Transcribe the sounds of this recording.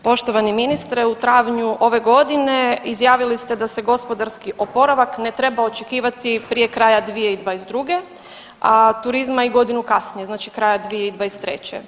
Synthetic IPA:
po̞ʃt̪o̞ʋaniminist̪ɾeut̪ɾaːʋɲuʔo̞ʋe̞ɡo̞d̪ine̞izjaːʋilist̪ed̪ase̞ɡo̞spo̞d̪aɾskiʔo̞po̞ɾaʋakne̞t̪ɾe̞bao̞t͡ʃekiːʋat̪ipɾije̞kɾaːjad̪ʋijeid̪ʋaːjezd̪ɾuɡe̞ | at̪uɾizmaiɡo̞d̪inukasnijenaːt͡ʃikɾaːjad̪ʋijeid̪ʋaːjest̪ɾḛt͡ɕḛ

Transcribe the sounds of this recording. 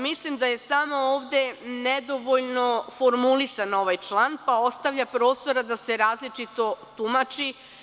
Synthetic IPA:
mislimd̪aje̞samo̞oːʋd̪e̞ned̪o̞ʋoʎno̞fo̞ɾmulisano̞ʋajt͡ʃlˠanpao̞st̪aʋʎʲapɾo̞ːst̪o̞ɾad̪ase̞ɾaːzlit͡ʃit̪o̞t̪umat͡ʃi

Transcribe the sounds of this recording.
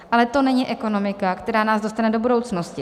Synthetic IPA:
alɛt̪o̞nɛɲiʔɛko̞no̞mɪkakt̪ɛɾaːnaːzdo̞st̪anɛdo̞budowt͡sno̞scɪ

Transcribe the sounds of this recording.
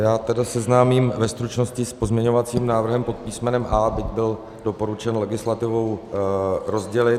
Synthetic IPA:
jaːt̪ɛdasɛznaːmiːmvɛst̪ɾut͡ʃno̞scɪspo̞zmɲɛɲo̞vat͡siːmnaːvr̩ɦɛmpo̞t̪piːsmɛnɛmʔaːbɪɟbɪl | do̞po̞ɾut͡ʃɛnlɛɡɪslat̪ɪvo̞w | ɾo̞zɟɛlɪ

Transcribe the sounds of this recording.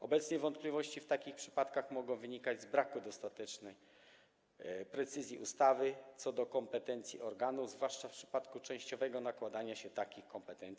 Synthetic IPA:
ɔbɛt̪sɲɛvɔnt̪̚plʲivɔɕt͡ɕift̪akʲixpʂɘ̥pat̪kaxmɔɡɔ̃w̃vɘɲikad͡ʑzbɾakud̪ɔst̪at̪ɛt͡ʂnɛj | pɾɛt̪sɘzʲjiʔṵst̪avɘt̪sɔd̪ɔkɔmpɛt̪ɛnt̪sʲjiʔɔɾɡanuzvwaʂt͡ʂafpʂɘ̥pat̪kut͡ʂɛ̃w̃ɕt͡ɕɔvɛɡɔnakwad̪aɲaɕɛt̪akʲixkɔmpɛt̪ɛnt̪si

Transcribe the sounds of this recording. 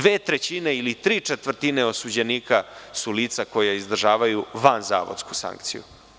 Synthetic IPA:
ʋeːt̪ɾet͡ɕineilit̪ɾiːt͡ʂet̪ʋr̩t̪ineo̞sud͡ʑe̞niːkasuliːt̪sako̞jaizd̪r̩ʒaːʋajuʋanza̰ːʋo̰d̪sku̥sa̰ŋkt̪sḭjṵ

